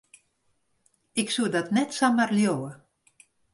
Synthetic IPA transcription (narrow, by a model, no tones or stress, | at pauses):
ɪksuədɔtnɛtsamərljowə